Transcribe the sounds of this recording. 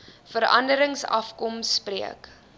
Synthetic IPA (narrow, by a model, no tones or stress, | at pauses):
fəɾɐ̰ndəɾəŋsɐ̰fkɔmspriək